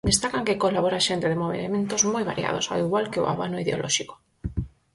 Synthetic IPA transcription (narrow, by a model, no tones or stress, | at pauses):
d̪est̪akaŋkekolaβoɾaʃent̪eðemoβḛemẽnt̪ozmojβa̰ɾja̰ð̞o̰sa̰iɣwalkeo̰ʔa̰βanoiðeolʔɔ̰ʃiko̥